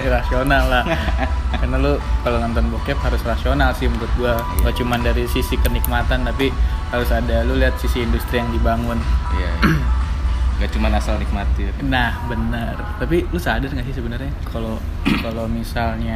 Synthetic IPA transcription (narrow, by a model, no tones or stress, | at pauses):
ɾasionalːahkarnalukalonɔnt̪ɔnbokɛphaɾʊsrasionalsɪhmuɾʊt̪̚ɡuaɡat͡ʃumandaɾisisikənik̚mat̪ant̪apihaɾʊsadaluliɦat̪̚sisiːndust̪ɾijaŋdibaŋʊnia̰ | ŋɡat͡ʃumanasalnik̚mat̪ɪrnahbənərt̪apilʊsadarŋɡasɪs̬əbənərɲakʰalo | kalomisalɲa